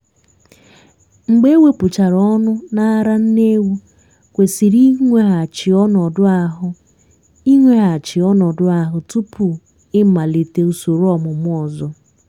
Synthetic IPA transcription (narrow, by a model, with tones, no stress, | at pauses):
ŋ͡m̩˨ɡ͡be˦we˦pʊ˨t͡ʃa˨ɾɔ˦nʊ˦na˦ɾa˦n̩˦ne˦wu˦ | kʷe˨si˨ɾi˦ŋʷe˦ɦa˨t͡ʃɪ˨ɔ˦nɔ˨dʊ˦a˨ɦʊ˦ | i˦ŋʷe˦ɦa˨t͡ʃɪ˨ɔ˦nɔ˨dʊ˦a˨ɦʊ˨tu˦pʰu˨ | ɪ˦m̩˦ma˨li˨te˨u˨so˨ɾɔ˦mʊ˨m˦ɔ˨zɔ˦